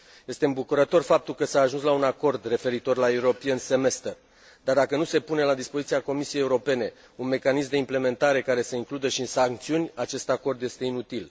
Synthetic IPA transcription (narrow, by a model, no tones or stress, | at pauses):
je̞st̪e̞ɨmbukuɾət̪o̞rfap̚t̪ulkəsaːʒuns̬launako̞rd̪re̞fe̞ɾit̪o̞rlaeuɾo̞pijense̞me̞st̪ər | d̪ard̪akənuse̞pune̞lad̪ispozit̪siako̞misijejeuɾo̞pe̞ne̞ | unme̞kanismd̪eimple̞me̞nt̪aɾe̞kaɾe̞se̞iŋklud̪əʃiɨnsaŋk̚t̪siunʲat͡ʃe̞st̪ako̞rd̪je̞st̪e̞inut̪il